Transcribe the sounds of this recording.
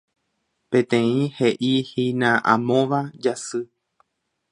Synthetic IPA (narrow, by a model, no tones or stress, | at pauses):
pẽ̞t̪ẽ̞ĩhe̞ʔihinãʔã̰mõʋad͡ʒasɨ